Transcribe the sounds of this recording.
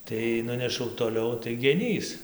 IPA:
tɐɪ ˈnʊnʲɛʃɐʊ toːˈlʲɛʊ tɐɪ ɡʲɛˈnʲiːs

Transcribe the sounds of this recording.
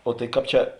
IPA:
oː tɐɪ ˈkɑːp ˈt͡ʃʲɛ

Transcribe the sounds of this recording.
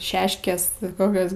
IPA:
ˈʃʲæːʃʲkʲeːs ˈkoːkʲoːs

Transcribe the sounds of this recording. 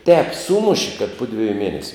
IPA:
tʲɛːp ˈsuːmʊʃʲɪ kɐt ˈpʊ dʲʋʲɪjʊ ˈmʲiɛnʲɛsʲʊ

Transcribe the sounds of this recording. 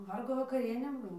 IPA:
ˈʋɐrɡoː ʋɐkɐˈrʲiɛnʲeː ˈbuɔ

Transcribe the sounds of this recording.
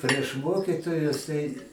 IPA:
pʲrʲiɛʃ ˈmoːkʲɪtoːjʊs tɐɪ

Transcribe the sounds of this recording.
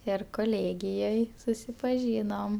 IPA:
ˈɪr koːˈlʲeːɡʲɪjoːj sʊsʲɪpɐˈʒʲiːnoːm

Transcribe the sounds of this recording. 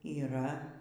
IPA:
iːˈrɐ

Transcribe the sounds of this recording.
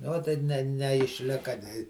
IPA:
nʊ ˈoːt tɐɪ ˈnʲɛ nʲɛɪʃʲˈlʲɪkɐ nʲɛɪ

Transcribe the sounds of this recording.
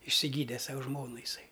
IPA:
ɪʃʲsʲɪˈɡʲiːdʲɛ ˈsɐʊ ˈʒmoːnʊ jɪˈsɐɪ

